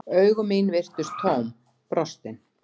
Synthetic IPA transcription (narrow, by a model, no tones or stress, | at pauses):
œːɥɣʏmiːnvɪr̥t̪ʏst̪ʰowm | pɾɔst̪ɪn